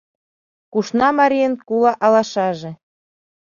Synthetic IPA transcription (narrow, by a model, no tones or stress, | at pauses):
kuʃnɑmɑɾʲijənkulɑʔɑlɑʃɑʒĕ